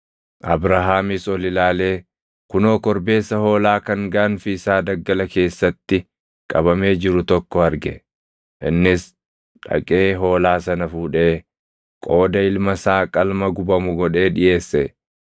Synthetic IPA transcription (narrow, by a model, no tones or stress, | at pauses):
ʔɐbɾaɦaːmisɔlɪlaːle̞ː | kʊno̞ːkɔɾbe̞ːsːɐho̞ːlaːkɐŋɡɐʔɐnfɪɪsaːd̪ɐɡːɐlɐke̞ːsːɐt̪ːɪ | kʼɐbɐme̞ːd͡ʒɪɾʊt̪ɔkːɔɐɾɡɛ | ʔɪ̰nːɪs | ᶑɐ̰kʼe̞ːɦo̞ːlaːsɐnɐfuːᶑe̞ː | kʼo̞ːd̪ɐɪlmɐsaːkʼɐlmɐɡʊbɐmʊɡɔᶑe̞ːᶑɪʔe̞ːsːɛ